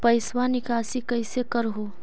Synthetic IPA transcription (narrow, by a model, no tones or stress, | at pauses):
pɐɪswanɪkaːsikɐɪsekəɾɦoː